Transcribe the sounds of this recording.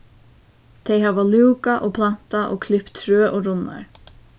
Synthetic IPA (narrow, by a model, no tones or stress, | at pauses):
t̪ʰeɪɦavaluwkaʔoːpʰlan̥t̪aʔo̰ːkʰlɪpt̪ʰːɾøːʔoɾʊnːa̰ɹ